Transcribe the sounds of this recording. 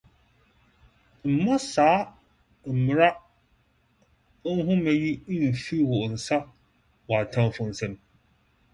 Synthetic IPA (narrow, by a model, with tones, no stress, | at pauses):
m̩˨mɔ˦saː˨˦ | m̩˨mɪ˨ɾa˦ | ŋ̩˦ɦʊ̃˦mɛ̃˦ji˦n̩˨fi˦wɔ˨n̩˨sa˦ | wa˨tʰã˦m˦fʊ̃˦˨n̩˨sɛ˦n˦